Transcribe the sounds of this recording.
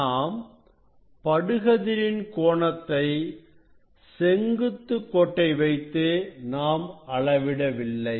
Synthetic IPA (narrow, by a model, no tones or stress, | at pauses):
aːm | pɐɽɯɣɐðɪɾɪnkoːɳɐt̪ːɐɪ | sɛŋɡɯt̪ːɯkːɔʈːɐɪʋɐɪt̪ːɯnaːmɐɭɐʋɪɽɐʋɪlːɐɪ